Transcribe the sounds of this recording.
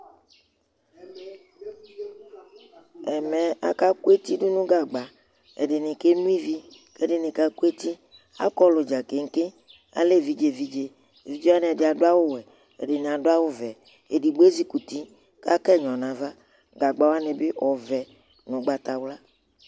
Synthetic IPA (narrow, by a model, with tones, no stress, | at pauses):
ɛ˨mɛ̃˨a̰˨ka˦ku˦e˦t̪i˦ɖo˦nũ˦ɡa˨ɡ͡ba˨ | ḛ˨ɖɪ˨nĩ˨ke˦nũ˦i˦vi˦ | ke˦ɖe˦nẽ˨ka˦ku˦e˦t̪i˦ | a̰˦kɔ˦lo˨d͡ʒa˨ke˨ŋ̩˦ke˦ | a̰˨le˦vi˦d͡ʒe˨vi˦d͡ʒe˦˨ | vi˦d͡ʒe˦a˦n˨ɖɪ˨a˨dʊ˦a˦wo˦wɛ˨ | ḛ˨ɖe˨nẽ˨a˨ɖo˦a˦wo˦vɛ˨ | e˨ɖi˨be˦zi˦ku˨t̪i˦ | ka˦kɛ˦˨ɲɔ̃˨nã˨va˦ | ɡa˨ɡ͡ba˨wa˦nẽ˨be˦ʔɔ˨vɛ˨ | nʊ̃˨ɡ͡ba˨t̪a˨wla˦